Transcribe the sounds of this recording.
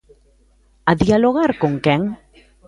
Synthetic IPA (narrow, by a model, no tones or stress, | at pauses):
aðialoɣaɾkoŋkɛŋ